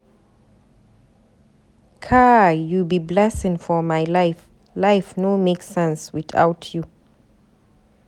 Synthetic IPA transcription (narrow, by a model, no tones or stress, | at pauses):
kʰajubiblɛsɪ̃ŋfɔmajlajf | lajfnomeksɛ̃nswiθa̰wtʰju